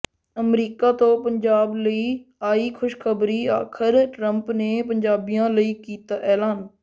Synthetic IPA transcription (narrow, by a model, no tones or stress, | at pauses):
əmɾiːkaːt̪õːpəɲd͡ʒaːbləiːaːiːkʰʊʃkʰəbɾiːa̰ːkʰəɾʈɾə̃mpneːp̬əɲd͡ʒaːbɪjãːləiːkiːt̪aʔɛːlaːn